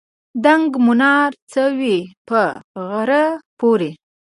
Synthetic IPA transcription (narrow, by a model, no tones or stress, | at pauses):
d̪aŋɡmʊnɑɾt͡səwipəɣaɾəpoɾe